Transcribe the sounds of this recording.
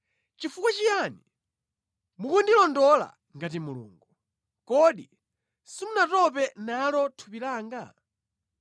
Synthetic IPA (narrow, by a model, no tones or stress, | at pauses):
t͡ʃifukwat͡ʃijani | mukundilɔndɔla̰ | ŋɡatimulṵːŋɡu | kɔɗi | simunatɔp̬ɛnalɔtʰupilaːŋɡa̰